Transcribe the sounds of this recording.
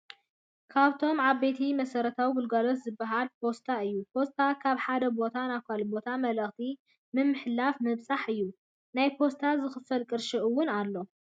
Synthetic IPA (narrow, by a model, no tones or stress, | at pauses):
kʰaβt̪ʰo̞mʕaβbe̞t̪ʰimɐsɐɾɐt̪ʰawiɡʊlɡalo̞t̪zɨbːaɦalpʰo̞st̪ʰaɨjːupʰo̞st̪ʰakʰaβħad̪ɐbo̞t̪ʰanakʷalbo̞t̪ʰamɐlɐxt̪ʰi | mɨmːɨħlafmɨβsʼaħɨjːu | najpʰo̞st̪ʰazɨxɨfɐlkʼɨɾʃɨʔuwʊnalːo̞